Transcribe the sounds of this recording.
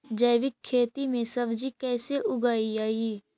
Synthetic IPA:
d͡ʒəjʋɪkʰːeːt̪imẽsəbd͡ʒikɛːseʔʊɡaːiaːiː

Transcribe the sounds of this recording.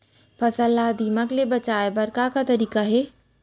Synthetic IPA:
pʰɐsəlːad̪ʱiːməklebɐt͡ʃaːebɐɾkakat̪ɐɾiːkaɦɛː

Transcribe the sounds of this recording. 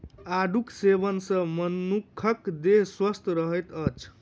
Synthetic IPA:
aɖuksebənsʌ̃mʌnːukʰːʌkd̪eɦswəst̪ɾəɦəjt̪ʌt͡ʃʰ

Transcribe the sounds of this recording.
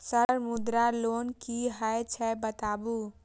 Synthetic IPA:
səɾmʊd̪ɾaloːnkiɦəet͡ʃʰɛbət̪aːbu

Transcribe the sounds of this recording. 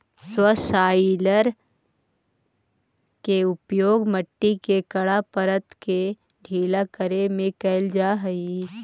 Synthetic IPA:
swəsaːɪləɾ | keʊpjoːɡməʈːikekəɽapəɾət̪ke | ɖʱiːlakəɾemẽkɛːld͡ʒaːɦəi

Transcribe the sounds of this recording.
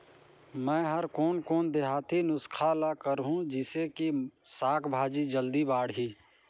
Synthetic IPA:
mɛ̃ːɦəɾkɔːnkɔːnd̪eɦaːt̪ʰinʊskʰalakəɾɦũd͡ʒɪsekisaːkʰbʱaːd͡ʒid͡ʒəld̪ibaːɽɦiː

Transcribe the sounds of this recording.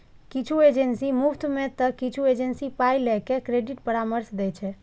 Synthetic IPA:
kit͡ʃʰued͡ʒensimupʰt̪met̪əkit͡ʃʰued͡ʒensipajlɛkekɾeɖiʈpəɾaməɾsd̪ɛt͡ʃʰɛ

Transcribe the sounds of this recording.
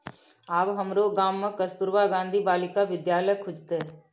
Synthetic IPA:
aːbɦəmɾoɡaːmːẽkəst̪ʊɾbaɡãːnd̪ʱibaːlɪkaʋɪd̪jaːləkʰːʊd͡ʒt̪e

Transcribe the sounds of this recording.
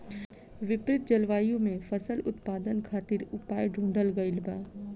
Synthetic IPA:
ʋɪpɾɪt̪̚d͡ʒɐlʋaːjõmẽfɐsəlʊt̪paːd̪ənkʰaːt̪ɪɾʊpaːjɖʱũːɳɖəlɡɐɪlbaː

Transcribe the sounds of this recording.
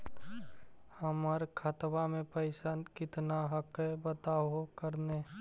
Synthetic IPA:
həməɾkʰət̪bamẽpəɪsankɪt̪naɦəkebət̪aːokəɾne

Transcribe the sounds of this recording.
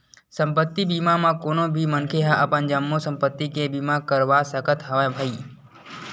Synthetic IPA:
sə̃mpət̪ːibiːmamãkoːnõbʱimənkʰeɦãʔəpənd͡ʒəmːosə̃mpət̪ːikebiːmakəɾʋasəkət̪ɦɐʋabʱəiː

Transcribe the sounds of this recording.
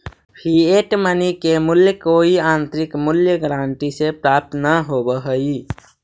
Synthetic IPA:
pʰieʈmənikemʊljəkoiãːnt̪ɾikmʊljəɡɾãːɳʈisepɾaːp̚t̪ʰnaɦobəɦəi

